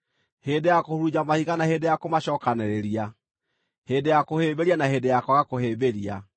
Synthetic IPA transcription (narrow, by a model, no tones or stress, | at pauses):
heːdejakohuɾud͡ʒamahiɣanaheːdejakomaɕɔːkanɛɾeɾia | heːdejakoheːbeɾianaheːdejakwaɣakoheːbeɾia̰